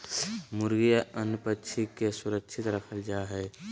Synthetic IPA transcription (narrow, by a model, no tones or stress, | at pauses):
mʊɾɡijaənpət͡ʃʰikesʊɾəkt͡ʃʰɪt̪ɾəkʰəld͡ʒaːɦɛː